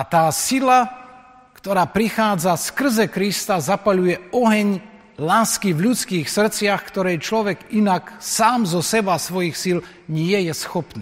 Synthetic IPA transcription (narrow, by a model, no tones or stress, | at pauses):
at̪aːsila | kt̪ɔɾaːpɾixaːd͡zaskr̩zɛkɾist̪azapaʎujɛɔɦɛɲ | laːskivʎut͡skiːxsr̩t͡sɪaxkt̪ɔɾɛjt͡ʃlɔʋɛɡinaksaːmzɔsɛbasʋɔjixsil | ɲɪɛjɛsxɔpniː